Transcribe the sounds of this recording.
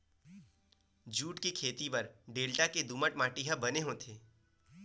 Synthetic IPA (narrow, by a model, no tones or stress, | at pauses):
d͡ʒuːʈkikʰeːt̪ipɐɾɖeːlʈaked̪uːməʈmaːʈiɦabɐneɦõt̪ʰeː